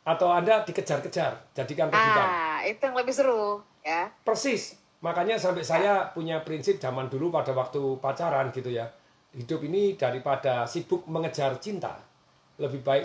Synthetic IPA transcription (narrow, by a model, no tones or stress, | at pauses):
ʔat̪awandad̥ikə̥d͡ʒ̥arkə̥d͡ʒard͡ʒ̥adikanrəbuk̪anit̪ujaŋləbɪhsəɾʊh | japərsɪs | makaɲasampɛʔsajapuɲapɾinsɪp̚d͡ʒamandulupadawak̚t̪upat͡ʃaɾanɡit̪uja | hidʊpinid̥aɾipad̥asib̥ʊk̚məŋəd͡ʒart͡ʃint̪a̰ | ləbɪhbaɪk